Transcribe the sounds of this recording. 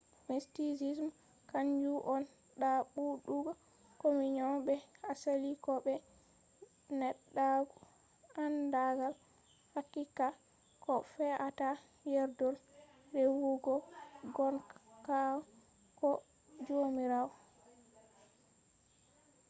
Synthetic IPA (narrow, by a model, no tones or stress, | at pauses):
mistisism | kaɲd͡ʒuʔɔn | ɗaɓuɗuɡa | komiɲɔbɛasalikɔbɛ | nɛɗːaɡu | andaɡal | hakːika | kɔfɛʔata | jɛɾdɔl | ɾewuɡɔɡɔnkawɔ | kɔ | d͡ʒomiɾawɔ